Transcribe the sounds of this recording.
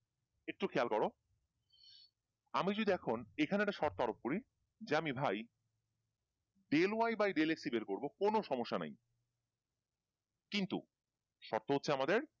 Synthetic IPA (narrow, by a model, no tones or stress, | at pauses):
ek̚ʈukʰealkɔɾo | amid͡ʑoud̪ʱiɛkʰonekʰaneɛʈaʃɔɾt̪oaɾop̚koɾi | d͡ʑeamibʱaj | ɖelwajbajɖeleksibeɾkoɾbokonoʃɔmoʃːana̰j | kint̪ṵ | ʃɔ̰ɾt̪oɦot̪ːɕʰeamad̪eɾ